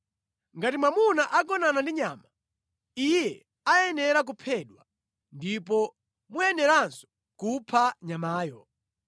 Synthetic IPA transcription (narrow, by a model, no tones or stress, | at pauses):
ŋɡatimwamunaʔakɔnanandiɲaːma | ijɛ | ajɛnɛɾak̬upʰɛːɗwa | ndipɔ | mujɛnɛɾansɔ̥ | kupʰaɲamaːjɔ